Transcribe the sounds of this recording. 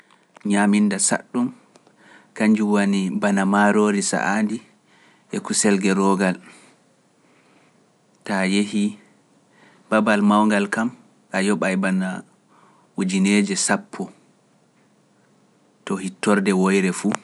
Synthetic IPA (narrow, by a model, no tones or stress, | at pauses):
ɲaminːdasa̰ɗːum | kaɲd͡ʒuwanibanamaɾoːɾisa̰ʔandi | ʔɛkusɛlɡɛɾɔɡal | tajeɦi | babalmawŋɡalkam | ʔajɔɓajbana | wud͡ʒineːd͡ʒɛsapʰːɔ | tɔhitːɔɾdɛwɔjɾɛfu